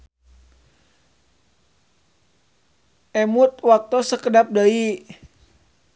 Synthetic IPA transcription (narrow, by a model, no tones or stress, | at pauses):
ʔɛmut̪̚wak̚t̪usəkədap̚dai